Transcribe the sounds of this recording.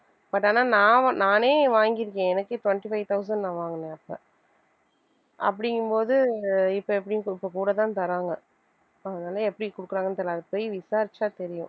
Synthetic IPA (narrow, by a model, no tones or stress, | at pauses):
pɐʈːaːnaːnãːnaːneːʋaːŋɡɪɾɯkːẽːɛnɐkːɯʈʋɐɳʈifɐɪʋt̪ɐʊs̬ɐnɖnãːʋaːŋɡɐnẽːɐpːɐ̰ | ʔɐ̰pːɐɽɪŋɡɯmpoːðɯɪpːoɛpːɐɽɪj̃ɪpːokuːɽɐt̪̬ãːnt̪ɐɾaːŋɡɐ | ɐðɐnaːlɐɛpːɐɽɪkʊɽɯkːɯɾaːŋɡɐnt̪ɐlːɐðɐpoːjʋɪsaːɾɪt͡ʃːaːt̪ɛɾɪjʊ̃